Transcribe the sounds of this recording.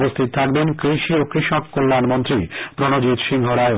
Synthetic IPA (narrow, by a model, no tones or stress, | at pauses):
post̪ʰit̪ot̪ʰak̚benkɾiʃiokɾiʃokːolːanmont̪ɾipɾonod͡ʑit̪ʃiŋɦoɾae